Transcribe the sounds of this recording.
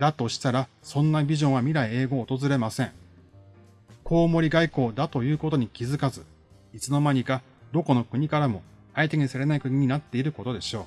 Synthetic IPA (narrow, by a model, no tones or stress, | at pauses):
d̪at̪o̞ɕi̥t̪aɾa | sõ̞nːabʲiʑõ̞ɰ̃βamʲiɾaie̞ːɡo̞ːt̪o̞zɨɾe̞masẽ̞ŋ | kʰo̞ːmo̞ɾʲiɡaiko̞ːd̪at̪o̞jɯ̟ːko̞t̪o̞ɲ̟ikʲizɨkazɨ | it͡sɨno̞maɲ̟ika | d̪o̞ko̞no̞kɯ̟ɲ̟ikaɾamo̞ | ait̪e̞ɲ̟isaɾe̞naikɯ̟ɲ̟iɲ̟inat̪ːe̞iɾɯ̟ko̞t̪o̞d̪e̞ɕo̞ː